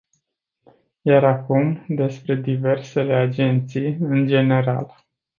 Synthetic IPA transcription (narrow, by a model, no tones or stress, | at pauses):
jaɾakumd̪e̞spɾe̞d̪ive̞rse̞le̞ad͡ʒent̪sijɨnd͡ʒe̞ne̞ɾa̰l